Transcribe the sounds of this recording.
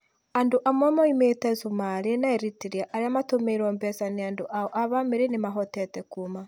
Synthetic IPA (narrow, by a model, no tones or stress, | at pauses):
andoʔamwɛmaimetɛzumaɾenaɛɾitiɾiaʔaɾeamatomeiɾɔːmbɛsaneandoʔaɔʔaβameɾenemaɦɔtɛtɛkuma